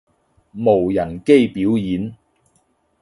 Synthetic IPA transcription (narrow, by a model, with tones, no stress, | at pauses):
mo˨˩wjɐ˨˩nke˥jpi˨˥wjiː˨˥n